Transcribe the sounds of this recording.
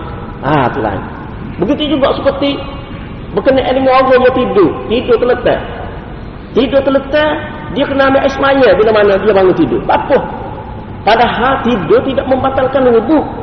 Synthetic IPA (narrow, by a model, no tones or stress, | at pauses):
a̰t̪ula̰ḭn | bəɡit̪ud͡ʒuɡaʔsə̥pərt̪i | bəkənɛʔadəŋaoɡɔɲat̪idʊt̪idʊt̪ələt̪ɛ̰ | t̪idʊt̪ələt̪ɛ | diakənamaʔɛsmajabinamanadiabaŋʊt̪idʊ̰bapʊh | padaɦalt̪idʊt̪idaʔməmbat̪alkanubʊk̚